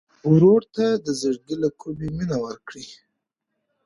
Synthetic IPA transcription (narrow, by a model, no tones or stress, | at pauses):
uɾoɽt̪ad̪əzəɽɡilakʰubiminawəɾkɽi